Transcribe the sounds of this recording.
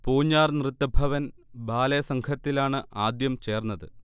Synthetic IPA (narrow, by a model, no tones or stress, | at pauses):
poːɲːaːrnrɨt̪ːɐbʱɐʋɐn | bʱaːlɐjɐsɐŋkʰɐt̪ːilaːɳɨaːd̪jɐmt͡ɕe̞ːrnːɐðɨ